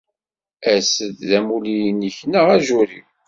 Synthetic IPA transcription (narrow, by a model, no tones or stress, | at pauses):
æsəððæmulijnəçnəʁæʒuɾḭ